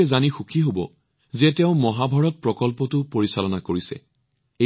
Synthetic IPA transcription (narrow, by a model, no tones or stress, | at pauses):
ɛzanixukʰiɦobɔ̰ | zɛtɛʊ̃mɔɦabʱɔɹɔt̚pɹɔkɔlpɔtʊpoɹisalɔnakoɹisɛ̰ | e